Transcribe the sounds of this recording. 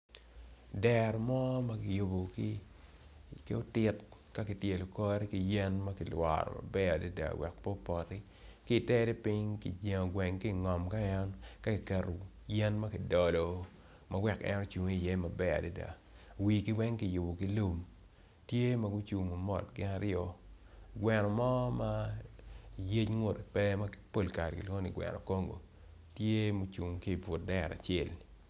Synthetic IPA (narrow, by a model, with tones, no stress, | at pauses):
dɛ˨ɾɔ˨mɔ˦ma˦kɪ˨ju˨bo˨ki˦ | ko˦tɪ˦tka˦ki˨tje˨lʊ˨kɔ˦ɾi˦ki˨jɛ˦nmɐ˦kɪ˨lwa̰˨ɾɔ̰˨ma̰˨bɛ˦a˨di˦da̰˨wɛ̰˨k̚po˦pɔ˨ɾi˦ | ki˦˨tɛ˦ɾe˦pɪ˦ŋkḭ˨d͡ʒe˨ŋo˨ɡwɛ˨ŋki˦˨ŋɔ˨mka˦ɛ˦nka˦ki˨kɛ˨ɾo˨ | jɛ˦nmɐ˦ki˨dɔ˨lo˨ | ma˦wɛ˨kɛ̰˦nɔ˦t͡ʃu˨ŋi˦i˨jɛ˦ma˨bɛ˦a̰˨di˦da̰˨ | wi˨ki˦wɛ˦ŋki˦˨jʊ˨bo˨ki˦lu˦m | tje˦ma˨ɡʊ˦t͡ʃu˨ŋo˨mɔ̰˨t̚ɡɪ˦na˦ɾɪɔ˦ | ɡwɛ˨nɔ˨mɔ˦ma˦ | je˦t͡ʃŋʊ˦te˨pɛ˦ma˦kpo˦lka˨ɾki˨lo˦ni˨ɡwɛ̰˨nɔ̰˨ko˦ŋɡo̰˨ | tje˦mo˦t͡ʃu˨ŋki˦˨vʊ˨t̚dɛ˦˨ɾa̰˨t͡ʃe˦˨l